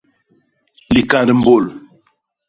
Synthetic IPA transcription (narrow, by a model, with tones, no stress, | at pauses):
li˨ka˨də˨m̩˦bo˦˨l